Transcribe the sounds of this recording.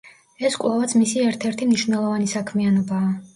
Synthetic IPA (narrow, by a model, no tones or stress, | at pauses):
ɛskʼlˠavat̪smisiɛɾt̪ʰɛɾt̪ʰimniʃvnɛlˠɔvanisakʰmianɔbaː